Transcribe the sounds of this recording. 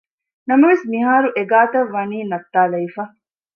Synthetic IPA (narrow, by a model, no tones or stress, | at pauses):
nɐmɐʋesmiɦaːɾuʔeɡaːt̪ɐʋːɐniːnɐt̪ːaːlɐifɐ